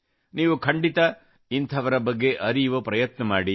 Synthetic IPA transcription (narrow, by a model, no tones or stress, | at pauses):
niːʋukʰɐɳɖit̪ɐ | int̪ʰɐʋɐɾɐbɐɡːe̞ʔɐɾijʋopɾɐjɐt̪nɐmaːɽi